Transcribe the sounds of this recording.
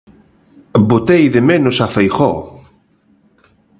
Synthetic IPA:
bot̪ejðemenosafejχo

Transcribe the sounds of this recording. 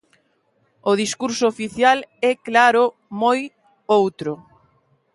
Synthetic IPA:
ʊð̞iskuɾsoːfiθjalɛklaɾʊ | moj | owt̪ɾʊ

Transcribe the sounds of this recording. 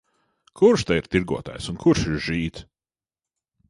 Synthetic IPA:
kʰuɾʃt̪aiɾt̪iɾɡuɔt̪a̰ːjsunkʰuɾʃiɾʒ̥iːt̪

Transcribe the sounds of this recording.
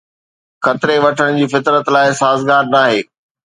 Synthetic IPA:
xɐt̪ɾeʋɐʈʰəɽ̃d͡ʑiːfɪt̪ɾət̪laːɪsaːzɡaːɾnaːɦeː

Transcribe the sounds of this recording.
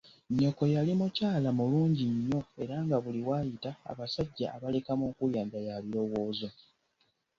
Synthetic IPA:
ɲːo̞ko̞jalimucaːlamuluːɲɟiɲːo̞e̞ɾaːŋɡaβuliwaːjita̰ːβasaɟːa̰ʔːβale̞kamoːkuljaːndajaβiɾo̞wo̞ːzo

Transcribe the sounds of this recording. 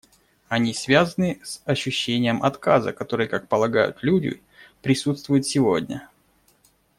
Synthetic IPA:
ɐnʲisvʲazənɨsɐɕːʉɕːenʲɪjəmʔɐt̪kazə̰kɐt̪o̞ɾɨjəkak̚pəlˠɐɡajʊ̰t̪lʲudʲɪ̰ | pɾʲɪsut̪st̪vʊjɪt̪sʲɪvo̞dʲnʲə̰

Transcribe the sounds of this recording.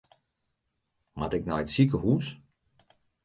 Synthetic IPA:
matɪknɔjətsikəhuːs

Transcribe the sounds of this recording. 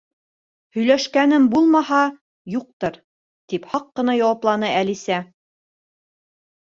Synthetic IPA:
hɵ̆jlæʃkænɘmbulˠmɑhɑ | juq̚t̪ɤɾ | t̪iphɑqːɤ̆nɑjɑwɑplˠɑnɤælisæ

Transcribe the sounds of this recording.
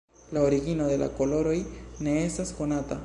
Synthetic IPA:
laoɾiɡinod̪e̞la̰ko̞lo̞ɾo̞jne̞estasko̞nat̪a̰

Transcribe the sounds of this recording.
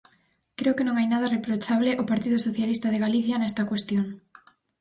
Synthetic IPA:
kɾeokenõŋajnaðɐrepɾot͡ʃaβlɪʔopaɾt̪iðʊsoθjalist̪ɐð̞eɣaliθjanɛst̪ɐkwest̪joŋ

